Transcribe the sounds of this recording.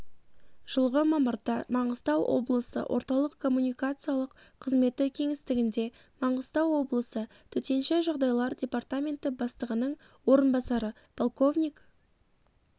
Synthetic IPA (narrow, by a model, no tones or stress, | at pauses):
ʒ̥əlˠʁəmɑməɾd̪ɑmɑɴəst̪ɑwʔo̞̰blˠəsə̰wʔo̞̰ɾt̪ɑlˠəqkʰːo̞mːunʲijkat̪sɨjalˠəqqʰəzme̞t̪ːɪkʲʰe̞ŋɪst̪ɪɡʲɪnd̪e̞ | mɑɴəst̪ɑwːo̞blˠəsə | t̪ʰɵt̪e̞nʃeʒɑʁd̪ɑjlˠɑɾdʲe̞part̪amʲe̞nt̪ɪbɑst̪əʁənəɴ | wo̞ɾənbɑsɑɾə | pʰo̞lˠko̞vnʲik